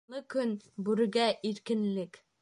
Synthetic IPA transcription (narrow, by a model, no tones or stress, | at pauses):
ɤkɵnbʉɾɘ̆ɡæʔiɾkɘ̆nlɘk